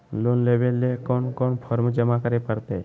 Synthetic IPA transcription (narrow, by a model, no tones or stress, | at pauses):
lonlebelːekɔɳkɔɳpʰəɾmd͡ʒəmakəɾepəɾt̪e